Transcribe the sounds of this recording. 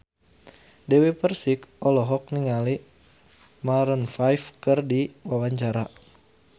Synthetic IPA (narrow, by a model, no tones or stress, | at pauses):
dɛwepərsikɔlɔɦɔk̚niŋali | maɾənfajfkɨrdiwawaɲt͡ʃaɾa